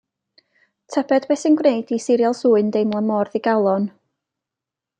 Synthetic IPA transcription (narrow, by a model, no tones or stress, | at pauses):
tʰɛbɛdbɛsənɡwneɨdisɪɾjalˠsuːɨndejmlˠəmɔrðiɡalˠɔn